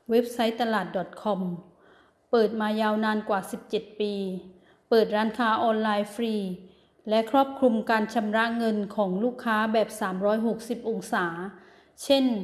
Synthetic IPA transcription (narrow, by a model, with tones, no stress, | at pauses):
we˦˥p̚sa˦˥jt̪a˧laː˨˩t̪̚dɔ˨˩t̪̚kʰɔ˧m | pɤː˨˩t̪̚maː˧jaː˧wnaː˧nkwaː˨˩si˨˩p̚t͡ɕe˨˩t̪̚piː˧ | pɤː˨˩t̪̚ɾaː˦˧˥nkʰaː˦˥ʔɔː˧nlaː˧jfʰɾiː˧ | lɛ˦˥kʰɾɔː˥˩p̚kʰɾu˧mkaː˧nt͡ɕʰa˧mɾa˦˥ʔŋɤ˧nkʰɔː˩˦ŋluː˥˩kʰːaː˦˥bɛː˨˩p̚saː˩˦mɾɔː˦˥jɦo˨˩k̚si˨˩p̚ʔo˧ŋsaː˩˦ | t͡ɕʰe˥˩n